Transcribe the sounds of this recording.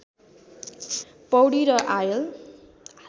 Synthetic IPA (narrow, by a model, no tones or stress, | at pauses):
pʌwɽiɾʌʔajʌl